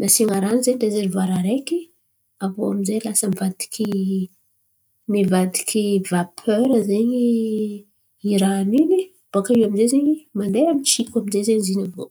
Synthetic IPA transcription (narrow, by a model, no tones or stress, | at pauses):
nasiŋaɾanizeɲd̪ezenivaɾaɾeki | avoa̰mizelasəmivad̪i̥kʲʰi | mivad̪i̥kʰʲivapʰøɾəzeɲi | iɾanini | b̥akaiwaminzezeɲimand̪ejamit͡ʃikamizezeɲizinavo